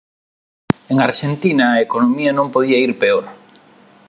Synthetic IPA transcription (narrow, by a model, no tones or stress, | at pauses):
eŋaɾʃent̪inɐːekonomiɐnõmpoðiɐiɾpeoɾ